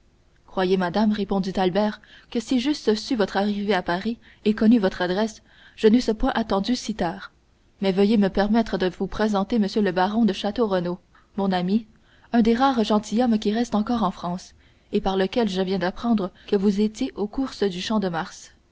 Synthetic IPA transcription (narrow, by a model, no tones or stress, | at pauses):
kχwajemad̪amʁepɔ̃d̪it̪albɛːʁkəsiʒyst̪əsyvɔt̪χaʁiveapaʁi | ekɔnyvɔt̪χad̪ʁɛs | ʒ̥ənesəpwɛ̃ʔat̪ɑ̃d̪ysit̪aːʁ | mɛvəjeməpɛʁmɛt̪χəd̪əvupχezɑ̃t̪eməsjøləbaʁɔ̃d̪əʃat̪oʁəno | mɔ̃nami | œ̃d̪eʁaːʁʒɑ̃t̪ijɔmkʲiʁɛst̪ɑ̃kɔʁɑ̃fχɑ̃ːs | epaʁləkʲɛlʒəvjɛ̃d̪apχɑ̃d̪ʁəkəvuzet̪ʲjeʔokuʁsəd̪yʃɑ̃d̪əmaʁs